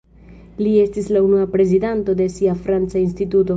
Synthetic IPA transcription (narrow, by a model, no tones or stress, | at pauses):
lie̞stislaunuapɾe̞zidanto̞de̞siafɾant͡sainstituto̞